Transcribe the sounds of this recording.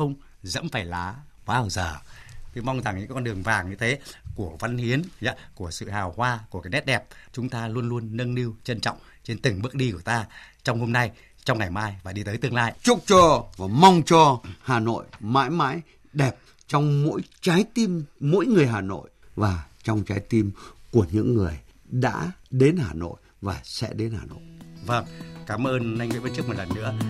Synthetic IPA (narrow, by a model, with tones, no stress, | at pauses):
xə˧wŋ͡m | zə̰˧˥nfaː˧˩jlaː˨˦ | ɓaː˧wzəː˨˩t̪ʰi˨˧˦ma˧wŋ͡mza˨˩ŋɲɨ̰˧˥kɔ˧nɗɨ˨˩əŋvaː˨˩ŋɲɨ˧t̪ʰe˨˦ku˧˩əvə˨˦nhi˨˦ənɲa˧˦ku˧˩əsɨ̰˧˨haː˨˩whwaː˧ku˧˩kaː˨˦jnɛ˦˥t̚ɗɛ˨˩p̚t͡ɕʊ˨˦ŋ͡mt̪aː˧lu˧ənlu˧ənːə˧nli˧əwt͡ɕə˧nt͡ɕɔ̰˧˨wŋ͡m | t͡ɕe˧nt̪ɨ˨˩ŋɓɨ˦˥ək̚ɗi˧ku˧˩ə˩t̪aː˧t͡ɕɔ˧wŋ͡mho˧mna˧j | t͡ɕɔ˧wŋ͡mŋa˨˩jmaː˧jvaː˨˩ɗi˧t̪əː˨˦jt̪ɨ˧əŋlaː˧jt͡ɕʊ˦˥k͡p̚t͡ɕɔ˧˨˩mɔ˧wŋ͡mt͡ɕɔ˧haː˨˩no̰˧˨jma̰ː˧˥jma̰ː˧˥j | ɗɛ˨˩p̚ | t͡ɕɔ˧wŋ͡mmo̰˧˥jt͡ɕaː˨˦jt̪i˧mːo̰˧˥jŋɨ˨˩əjɦaː˨˩no̰˧˨jvaː˨˩t͡ɕɔ˧wŋ͡mt͡ɕaː˨˦jt̪i˧mku˧˩əɲɨ̰˧˥ŋːɨ˨˩əj | ɗa̰ː˧˥ɗe˨˦nhaː˨˩no̰˧˨j | vaː˨˩sɛ̰˧˥ɗe˨˦nhaː˨˩no̰˧˨jvə˧˩ŋkaː˨˦mʔəː˧na˧jŋvə˨˦və˧˦nt͡ɕɨ˦˥k̚mo˨˩t̚lə˨˩nːɨ̰˧˥ə